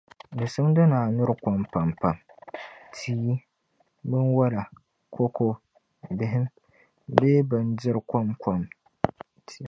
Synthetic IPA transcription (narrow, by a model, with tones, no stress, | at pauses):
dɨ˨sɨ˦mdɨ˦naː˨nʊ˦ɾɨ˨˦kʷa˨mpa˨mpa˨m | tʰiː˦ | bɨ˦nwa˦la˨ | kʰo˦ko˦ | bɪ˦ɦɪ˦m | beː˦bɨ˨ndɪ˦ɾkʷa˦mka˨m | tʰi̥˦˨